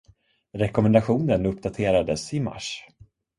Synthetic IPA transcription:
ɾɛkɔmɛnd̪aɧuːnənɵpd̪at̪ʰeːɾad̪əsɪma̰ʂ

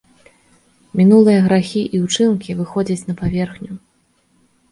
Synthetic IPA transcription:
mʲinulˠɨjɐɣɾaxʲiʔiut͡ʂɨnkʲivɨxɔd͡zʲɐt͡sʲnɐpavʲɛrxnʲu

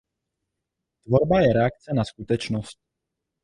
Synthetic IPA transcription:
t̪vo̞ɾbajɛɾɛak̚t͡sɛnaskut̪ɛt͡ʃnost̪̚

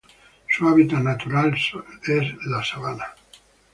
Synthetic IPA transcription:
suaβit̪anat̪uɾalsezlasaβana

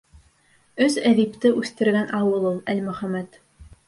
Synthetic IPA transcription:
ɵzæðipt̪ɘʔʉθt̪ɘ̆ɾɡænʔɑwɤlˠulˠælmɵ̆χæmæt̪

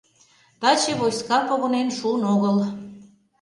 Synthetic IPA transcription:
t̪ɑt͡ɕeβojskɑpoɣonenʃunoɣəl

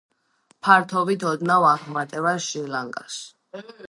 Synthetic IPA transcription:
pʰaɾt̪ʰɔvit̪ʰɔd̪navaχmat̪ʼɛvaʃilaŋɡʼa̰s

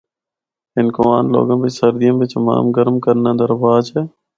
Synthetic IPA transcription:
ɪnkoʋaːnlo̰ːɡə̃ːbɪt͡ʃsəɾd̪ijə̃mbɪt͡ʃma̰ːmɡəɾmkəɾnãːd̪əɾbaːt͡ʃʰeː

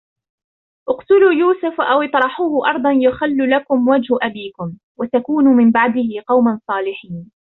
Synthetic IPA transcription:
ʔʊqt̪ʊluːjuːsʊfʔawɪt̪ˤɾˤɑħuːhʊʔɑɾˤd̪ˤɑnjʊxalːʊlakʊmwad͡ʒhʊʔabiːkʊm | wat̪akuːnʊmɪmbaʕd̪ɪhɪqɑwmansˤɑːlɪħiːn

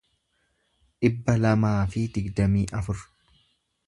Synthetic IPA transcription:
ᶑɪbːɐlɐmaːfɪd̪ɪɡd̪ɐmiːʔɐfʊɾ

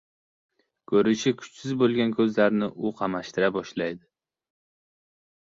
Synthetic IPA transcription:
kʰɵɾɪʃɪkʰʊ̥t͡ʃsɪzbolˠɡʲankʰɵzlaɾnɪʔʊqʰɑmaʃt̪ɪɾabɒʃlajd̪ɪ

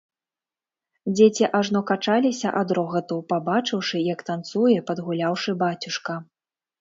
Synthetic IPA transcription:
d͡zʲet͡sʲiʔaʐnɔkat͡ʂalʲisʲɐʔad̪ɾɔɣɐt̪upabat͡ʂɨwʂɨjɐkt̪ant̪sujɛpɐd̪ɣulʲawʂɨbat͡sʲuʂkɐ

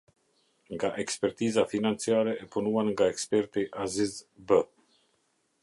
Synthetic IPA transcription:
ŋɡaʔɛkspɛɾt̪izafinant͡siaɾɛɛpunuanŋɡaɛkspɛɾt̪iʔazizbə

